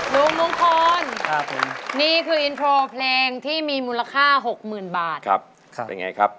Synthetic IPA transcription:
lu˧˦ŋmo˧˦ŋkʰɔː˧nkʰa˦˥pʰo˨˦mniː˥˩kʰɯː˧ʔi˧np̪ʰɾoː˧pʰleː˧ŋt̪ʰiː˥˩miː˧muː˧la˧kʰaː˥˩ɦo˨˩k̚mɯː˨˩nbaː˨˩t̪̚kʰa̰˦˥p̚ʰ | ja̰˧ŋa̰˧jkʰɾa˦˥p̚

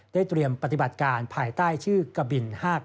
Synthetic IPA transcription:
daː˥˩jt̪ɾi˧əmpa˧t̪i˨˩ba˨˩t̪̚kaː˧npʰaː˧jt̪aː˥˩jt͡ɕʰɯː˥˩ka˧bi˧nhaː˥˩k̚

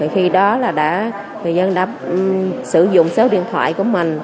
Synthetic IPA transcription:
ə˨˩jxi˧ɗɔ˨˦laː˨˩ɗa̰ː˧˥ | ŋɨ˨˩jzə˧nɗa̰ː˧˥ | sɨ˧˩zʊ̰˧˨ŋ͡msəː˨˦wɗḭ˧˨ənt̪ʰwa̰ː˧˨jku˧˩əmï˨˩ŋ̟

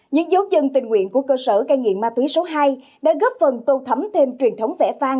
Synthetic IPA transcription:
ɲɨ̰˧˥ŋzə˨˦wzə˧nt̪ï˨˩ŋ̟ŋwḭ˧˨ənku˧˩əkəː˧səː˧˩kaː˧jŋḭ˧˨əmːaː˧t̪wi˨˦so˨˦ɦaː˧j | ɗa̰ː˧˥ɣə˦˥p̚fə˨˩nt̪o˧t̪ʰə˨˦mt̪ʰe˧mt͡ɕwi˨˩ənt̪ʰə˨˦wŋ͡mvɛ̰˧˩faː˧ŋ

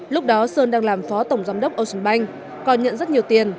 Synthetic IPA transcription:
lʊ˦˥k͡p̚ɗɔ˨˦səː˧nɗaː˧ŋlaː˨˩mfɔ˨˦t̪ə˧˩wŋ͡mzaː˨˦wŋ͡mɗə˦˥wk͡p̚ʔə˧wsə˧˩nɓa˧jŋ̟ | kɔ˨˩nɲə̰˧˨nzə˦˥t̚ɲi˨˩əwt̪i˨˩ən

